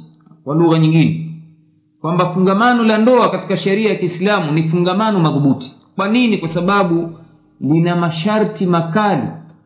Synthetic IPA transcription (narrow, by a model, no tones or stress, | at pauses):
kwaluɣaɲiŋɡinɛ | kwambafuŋɡamanɔlandɔakati̥kaʃɛɾiajakiːslamunifuŋɡamanɔmaðuɓuti̥ | kwaninikwasaɓaɓu | linamaʃaɾtimakalḭ